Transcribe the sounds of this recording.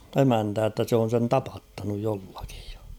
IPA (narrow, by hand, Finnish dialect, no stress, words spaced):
emæntæː tːæ se on̞ sen tɑpɑtːɑnuj jolːɑki̥j̊ j̊ɑ̥